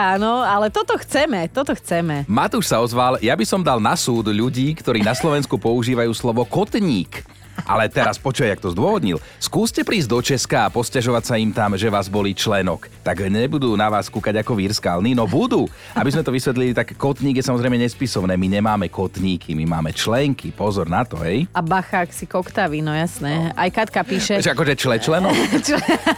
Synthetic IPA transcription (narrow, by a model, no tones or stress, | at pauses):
aːnɔalɛt̪ɔt̪ɔxt͡sɛmɛt̪ɔt̪ɔxt͡sɛmɛmat̪uʃsaɔzʋaljabisɔmd̪alnasuːd̪ʎuɟiːkt̪ɔɾiːnaslɔʋɛnskupɔuʒiːʋajuːslɔʋɔkɔt̪ɲiːk | ʔa̰lɛt̪ɛɾaspɔt͡ʃuːʋajak̚t̪ɔzd̪ʊɔɦɔd̪ɲḭl | skuːscɛpɾiːzɟd̪ɔt͡ʃɛskaːpɔscaʒɔʋacsaimt̪amʒɛʋaːzbɔliːt͡ʃlɛnɔkt̪aɡɲɛbud̪uːnaʋaːskuːkaɟakɔʋiɾskaːlninɔbud̪uː | abizmɛt̪ɔʋisʋɛt̪̬lilit̪akːɔt̪ɲiːɡjɛsamɔzɾɛɪjmɛɲɛspisɔʊnɛːmiɲɛmaːmɛkɔt̪ɲiːkʰimimaːmɛt͡ʃlɛŋkipɔzɔɾnat̪ɔ̰ɦɛjabaxaksikɔkt̪aʋinɔjasnɛajkat̪kapiːʃɛɛʒɛakɔʒɛt͡ʃlɛt͡ʃlɛnɔk